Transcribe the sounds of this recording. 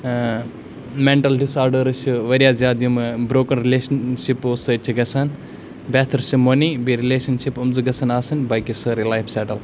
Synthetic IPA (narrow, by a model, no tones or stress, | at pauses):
meɳʈɐlɖisaːɾɖɐɾɨʃuʋɐɾʲjaːzjaːd̪jumbɾoːkɐnɾileːʃɐnʃiposɐt͡ʃʰiɡɐsʰɐn | beːt̪ʰɐɾʃʰimonibiɾileːʃɐnʃipumzɨɡɐsʰɐnaːsɐnbɐjkisɐɾilajfʰseːʈɐl